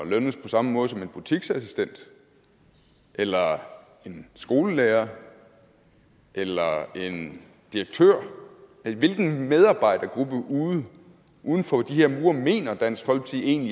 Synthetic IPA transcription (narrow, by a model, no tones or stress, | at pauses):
løn̩spʰɒ̽sɑ̈məmɔ̽ːð̩ˠsɒ̽me̝nb̥ut͡sʰiɡ̥sæsisd̥en̰d̥ | ʔelɐ | e̝nsɡ̥o̝ːləleːɐ | ʔelɐe̝n | d̥iʁɐɡ̥̚t͡sʰøɐ̰eʋe̝lɡ̥n̩með̞ˠɑ̈ːb̥ɑ̈ɪ̰d̥ɐɡ̥ʁub̥əʔuð̩ˠ | ʔuð̞ˠn̩fɒ̽d̥iheɐ̰muːɐme̝̰ːnɐd̥æn̰sfɒ̽l̰ɡ̥t͡sʰee̝̰ːnli